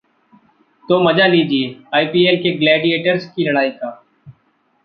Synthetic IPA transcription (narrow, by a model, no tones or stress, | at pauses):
t̪oːməd͡ʒaːliːd͡ʒieːaːiːpiːeːlkeːɡlɛːɖieːʈəɾskiːləɽaːiːkaː